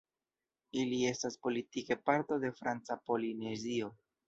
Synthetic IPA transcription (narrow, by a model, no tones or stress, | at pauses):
ilie̞staspo̞litike̞paɾto̞de̞fɾant͡sapo̞linezio̞